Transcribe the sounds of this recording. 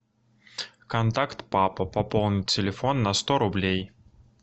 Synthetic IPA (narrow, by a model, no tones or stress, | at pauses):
kɐnt̪akt̪papɐpɐpɔlˠnʲɪt͡sʲɪlʲɪfɔnːɐst̪ɔɾʊblʲej